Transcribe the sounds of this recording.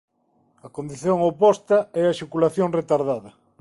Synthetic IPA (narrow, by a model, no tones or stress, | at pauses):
ɐkond̪iθjoŋopɔst̪ɐɛɐʃokulaθjoŋret̪aɾðaðɐ